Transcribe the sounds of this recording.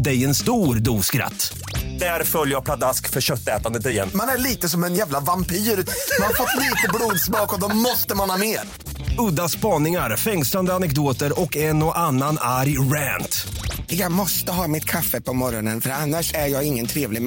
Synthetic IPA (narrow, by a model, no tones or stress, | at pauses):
d̪ɛjɛnst̪uːɾd̪uːskɾa̰t̪ː | d̪̥æɾfœljəjapʰlad̪askfœɾɕœt̪ːɛ̰ːt̪and̪ət̪̬ɪɾjɛ̰nːmanæɭiːt̪əsɔmɛnjæːvlavampiːɾʉmanhaɾfɔt̪ːliːt̪əbluːd̪smɑːkɔd̪ɔmɔst̪əmanhɑːmeːɾ | ɵd̪ːaspɑːnɪŋaɾfɛŋsland̪əanɛk̚d̪oːt̪əɾɔkɛnɔʔanːanaɾjɾæːnt̪jɑːɡmɔst̪əɦɑːmɪt̪kʰafːəpʰɔmɔɾɔnənfœɾanːaʂæɾjɑːɡɪŋːənt̪ʰɾeːvlɪɡ